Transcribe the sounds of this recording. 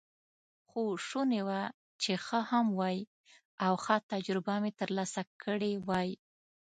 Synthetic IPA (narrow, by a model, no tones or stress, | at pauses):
xoʂunewa | t͡ʃexəhamwɑji | awxat̪ad͡ʒɾʊbamet̪əɾlɑsakʰəɽewɑj